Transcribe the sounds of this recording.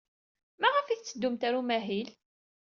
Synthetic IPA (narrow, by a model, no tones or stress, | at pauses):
mæʁəfiθt͡sːəd̪ːumt̪æɾumæɦil